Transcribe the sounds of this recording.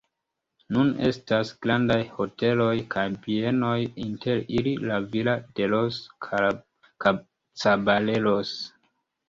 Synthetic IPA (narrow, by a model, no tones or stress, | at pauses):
nune̞̰stasɡ̥ɾandajho̞te̞lo̞jkʰajbieno̞jintʰe̞ɾililavilad̥e̞los | ka | t͡sabale̞los